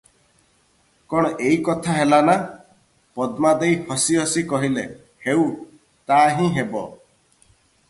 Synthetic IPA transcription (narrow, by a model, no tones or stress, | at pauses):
kɔɽ̃ɔʔeikɔt̪ʰaɦelana | pɔd̪mad̪ejhɔsiɦɔsikɔɦile | heu | t̪aɦĩɦebɔ